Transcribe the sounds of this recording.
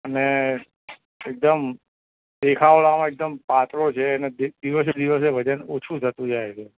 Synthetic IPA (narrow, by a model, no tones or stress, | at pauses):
əne | ek̚d̪əm | d̪ekʰaʋɭamãek̚d̪əmpat̪ɾot͡ʃʰeːned̪ed̪iʋəs̬ed̪iʋəs̬ebʱəd̪anot͡ʃʰũd͡ʒʰʱət̪ũd͡ʒajt͡ʃʰe